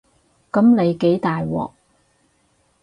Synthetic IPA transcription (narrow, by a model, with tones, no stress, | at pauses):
kɐ˨˥mne˨˧jke˨˥jt̪aː˨jwɔ̰ː˨k̚